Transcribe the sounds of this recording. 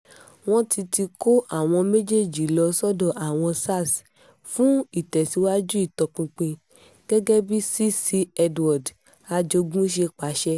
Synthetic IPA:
w̃ɔ̃˦ti˧ti˧ko˦ʔa˦˨w̃ɔ̃˧me˦d͡ʒe˦˨d͡ʒi˨lɔ˧sɔ˦dɔ̃˦˨ʔa˨w̃ɔ̃˧sa˦˨s | fũ˦i˦˨tɛ˨si˨˦wa˦d͡ʒu˦i˦˨tɔ˨k͡pĩ˧k͡pĩ˧ | ɡ̥ɛ˦ɡɛ˦bi˦si˦si˧ɛ˧dwɔ˨d | a˧d͡ʒo˧ɡũ˦ʃe˧k͡pa˨˦ʃɛ˦

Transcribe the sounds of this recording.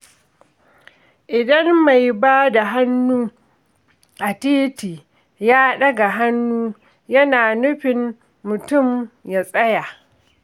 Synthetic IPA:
ʔɪ˨dɐ˦mma˨jbaː˦da˨ɦa˦nːuː˦ | ʔa˨tiː˦tiː˨ | jaː˦ɗɐ˦ɡa˨ɦa˦nːuː˦ | jɐ˦naː˨nʊ˦ɸɪ˨mː | ʊ˨tʊ˦˨mja˨sʼɐ˦ja˨ʔ

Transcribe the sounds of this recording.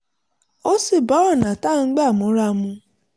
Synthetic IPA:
o˦si˦˨bɔ˨˦ɾɔ˦˨nã˨ta˦˨ŋ̩˦ɡ͡ba˦˨mũ˨˦ɾa˦˨mũ˧

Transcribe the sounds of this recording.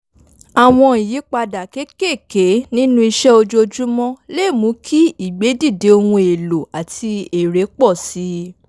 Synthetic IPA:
a˨w̃ɔ̃˧i˨ji˨˦k͡pa˧da˨ke˨˦ke˦˨ke˨˦nĩ˦nũ˦i˧ʃɛ˦o˧d͡ʒo˧d͡ʒu˦mɔ̃˦le˦˨mũ˨˦kʰi˦i˨ɡ͡be˨˦di˦˨de˨˦o˧wũ˧e˨lo˨a˨tʰi˧e˨ɾe˨˦k͡pɔ˦˨si˨˦

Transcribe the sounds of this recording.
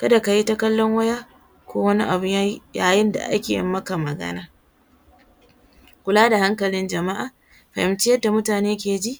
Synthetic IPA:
kɐ˦da˨ka˨ji˦ta˦kɐ˦lːɔ˦ŋwɐ˦jaː˦ | kʷoː˦wɐ˦ni˦ʔa˨bʊ˦ɲ˦jaː˦jɪ˦nda̰˨ʔa̰˦kʲḛː˨jɪ̰˨mːɐ˦ka˨mɐ˨ɡɐ̰˦naː˦ | kʷʊ˨laː˦da˨ha˦ŋkɐ˨lɪ˦nd͡ʒɐ˨ma˦ʔa˨ | ɸa̰˨hɪ˨mt͡ʃɪ˦jɐ˦da˨mʊ˦taː˨neː˦k̬ʲeː˨d͡ʒi˦ʔ

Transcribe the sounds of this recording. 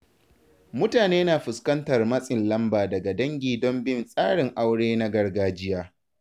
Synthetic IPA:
mʊ˦taː˨neː˦naː˨ɸʊ˨skɐ˦ntɐ˨rmɐ˦sʼɪ˨nlɐ˦mbaː˨dɐ˨ɡa˨dɐ˦ŋɡʲiː˨dɔ˦mbɪ˦nsʼaː˦ɽɪ˨ŋʔa˦wɽeː˦na˦ɡɐ˨rɡaː˦d͡ʒɪ˦jaː˦

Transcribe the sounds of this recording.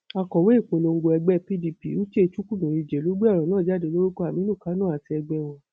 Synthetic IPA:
a˧kɔ˨we˨˦i˦˨k͡po˨lo˨˧ŋ̩˦ɡ͡bo˧ɛ˧ɡ͡bɛ˦pi˦di˧pḭ˨o˦t͡ʃe˦˧˨t͡ʃu˦ku˦nũ˨ɾi˨˧˨d͡ʒɛ˨lo˨˦ɡ͡be˦ɔ˦˨ɾ̃ɔ̃˨nãː˦˨d͡ʒa˦˨de˨˧˦lo˦ɾu˦ko˦a˨mĩ˨˦nũ˦˨ka˨˦nũ˦˨a˨ti˧ɛ˧ɡ͡bɛ˧w̃ɔ̃˧

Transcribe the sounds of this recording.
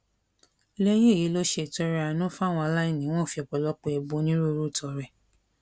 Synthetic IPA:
lɛ˦je˦˨ji˨˦lo˦ʃe˧˨tɔ˧˦ɾɛ˧˦a˨˧nũ˦fw̃ɔ̃˧a˧la˦ĩ˦˨nĩ˦w̃ɔ̃˦˨fi˧˦ɔ˨k͡pɔ˧˨lɔ˦k͡pe˧˦ɛ˧bo˨˧˦nĩ˦ɾo˦˨ɾu˦˨tʰɔ˧˨ɾɛ˨

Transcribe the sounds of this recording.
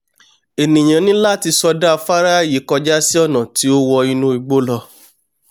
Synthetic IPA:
e˨nĩ˨j̃ã˨˦nĩ˦la˦˨ti˧sɔ˧da˦˧fa˦ɾa˦˨ji˨˦kɔ˧d͡ʒa˦si˦ɔ˦˨nã˨ti˨˦o˦wɔ˧ĩ˧nũ˦i˧ɡ͡bo˦lɔ˧

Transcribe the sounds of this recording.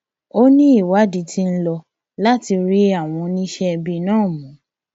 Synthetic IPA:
o˦nĩ˦i˦˨wa˨˦di˧˦tʰi˦n̩˦lɔ˧ | la˦ti˧ɾi˦a˦˨w̃ɔ̃˧nĩ˦ʃɛ˦˧bi˧nãː˦˨mũ˨˦

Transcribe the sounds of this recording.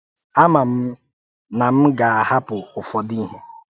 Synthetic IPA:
a˦ma˨m̩˦ | na˨m̩˦ɡa˨a˨ha˦pʊ˨ʊ˨fɔ˨di˦ɦe˦

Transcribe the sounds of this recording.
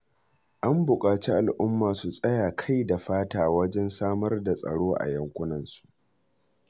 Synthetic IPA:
ʔa˦mbʊ˨kʼaː˨t͡ʃi˦ʔa˨lʔʊ˦mːaː˨su˨sʼɐ˦jaː˨kʰa˦jda˨ɸaː˦taː˨wɐ˦d͡ʒɛ˦nsaː˦mɐ˦rda˨sʼɐ̰˨ɽoː˦ʔa̰˨jɐ˦ŋkʷʊ˦nɐ˨nsu̥˨ʔ

